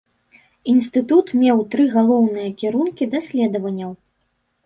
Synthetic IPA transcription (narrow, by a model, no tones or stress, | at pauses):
inst̪ɨt̪ut̪mʲɛwt̪ɾɨɣalˠɔwnɨjɐkʲiɾunkʲid̪ɐsʲlʲɛd̪ɐvɐnʲːɐw